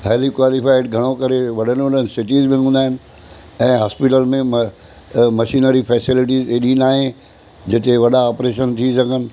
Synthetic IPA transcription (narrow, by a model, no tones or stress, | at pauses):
ɦɛːlikwaːlifaːɪɖɡʱɐɽ̃okɐɾeʋɐɗ̤ənʋɐɗənɪsɪʈiːzbɪ̃ʊ̃ːnd̪aːɦɪnɪ̆ | ɛ̃ːɦaːspɪʈəlmẽm | mɐʃiːnəɾifʰɛːsɪlɪʈ̬iːzeɗĩnaːɦẽ | d͡ʑɪt̪eʋɐɗaɔːpɾeːʃ̬ənt̪ʰisɐɡʱənɪ̆